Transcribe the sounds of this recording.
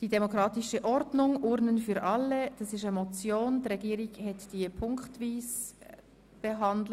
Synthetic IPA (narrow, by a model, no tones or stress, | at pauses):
d̥idɛmokɾɑːtɪʃəʔɔɾdnʊŋʔʊɾnənfyːɾʔɑlːəd̥ɑsɪʃəmɔt͡sjoːnd̥ɾɛɡiːəɾɪɡhɛtd̥iəpʰʊŋktviːs | b̥eɦɑndl